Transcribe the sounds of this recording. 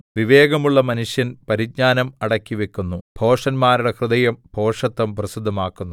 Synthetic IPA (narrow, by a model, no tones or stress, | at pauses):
ʋiʋeːɡɐmuɭːɐmɐnuʂjɐnpɐɾiɡ̚ɲaːnɐmɐɽɐkːiʋekʲːunːub̥ʱo̞ːʂɐnmaːɾuɽekrɨd̪ɐjɐmbʱo̞ːʂɐt̪ːɐmprɐsid̪ʱːɐmaːkːunːu